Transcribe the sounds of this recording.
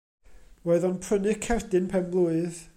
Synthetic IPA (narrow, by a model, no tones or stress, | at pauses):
woɨðɔnpʰr̥ənɨkʰɛrdɨnpʰɛnblˠuɨð